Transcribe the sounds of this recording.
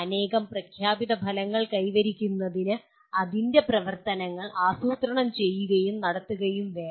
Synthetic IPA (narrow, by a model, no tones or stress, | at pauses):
ɐne̞ːɣɐmprɐkʰjaːbiðɐbʱɐlɐŋːɐɭkɐjʋɐɾikʲːunːɐðinɨ | ɐðinde̞prɐʋɐrt̪ɐnɐŋːɐɭʔaːsuːt̪rɐɳɐmt͡ɕe̞jːuɣɐjumnɐɽɐt̪ːuɣɐjumʋeː